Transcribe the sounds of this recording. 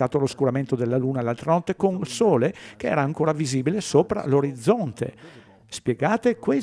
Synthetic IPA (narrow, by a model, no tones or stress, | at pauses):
aːt̪oloskuɾament̪od̪elːaluːnalːalt̪ɾanɔt̪ːekoŋsoːlekeɛ̰ːɾaːŋkoːɾaviziːbilesoːpɾa̰loɾid̪zːɔnt̪ḛ | spjeɡaːt̪ekwe